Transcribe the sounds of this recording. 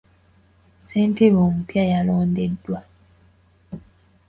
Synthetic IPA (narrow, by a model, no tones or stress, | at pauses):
seːnteβoːmupjajaloːndedːwa